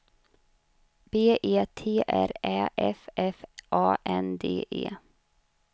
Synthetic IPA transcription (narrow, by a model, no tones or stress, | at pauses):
b̥eːʔeːt̪ʰeːʔæɾæʔɛfɛfʔɑːʔɛnd̪eːʔeː